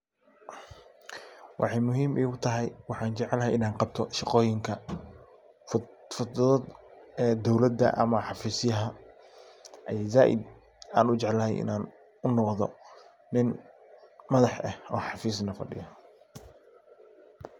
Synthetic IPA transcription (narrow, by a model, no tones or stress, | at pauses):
wʔɑ̰ħɑjmʊɦiːmʔɛjʊt̪ʰɐɦɛjwɑħɑːnt͡ʃɛʕɛlɐɦɛjɪnaːnqɑb̚t̪ʰɔʃɑqɔːjɪŋkʰɐ | fʊɔːd̪ɛd̪ɔwlɐd̪ɐ̰ʔɐ̰mɐħɑfiːsjɐɦɐ | ʔɐjɛːjzaːʔɪ̰d̪ | aːnʊt͡ʃɛʕlɐɦɛ̰jʔɪ̰naːn | ʊnɔqðɔ̰ | nɪn | mɐðɑħʔɛhɔ̰ːħɑfiːs̬nɐfɐ̰ɖɪ̰jɔ